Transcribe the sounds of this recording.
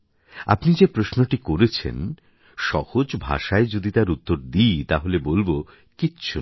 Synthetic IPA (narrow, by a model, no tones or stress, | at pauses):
a̰pnid͡ʑepɾosnoʈikoɾet͡ɕʰḛn | ʃɔhod͡ʑbʱa̰ʃaed͡ʑod̪it̪aɾut̪ːoɾd̪ijt̪aɦolebolbo | kitːɕʰu